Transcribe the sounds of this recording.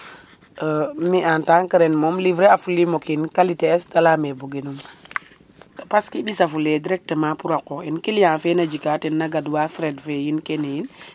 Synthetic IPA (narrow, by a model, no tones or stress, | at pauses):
miantaŋkəɾɛnmɔmlivɾɛafulimokinkalitɛɛstalamɛbuɡinum | paskiɓisafulɛdiɾɛk̚təmapuɾakːɔinkiljãːfɛnad͡ʒikatɛnːaɡadwasɾɛdfɛjinkenijin